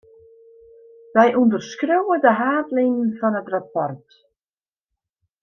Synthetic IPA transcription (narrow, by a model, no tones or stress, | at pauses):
ʋɛjʔundərskrøwədəɦaːtlɪŋn̩fɔnətrapɔrt